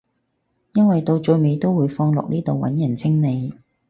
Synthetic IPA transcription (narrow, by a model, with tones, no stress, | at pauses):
jɐ˥nwɐ˨jt̪o˧wt͡ʃɵ˧jme˨˧jt̪o˥wuː˨˧jfɔː˧ŋlʊ̰˨k̚niː˥t̪o˨wwɐ̰˨˥njɐ˨˩nt͡sʰɪ˥ŋne˨˧j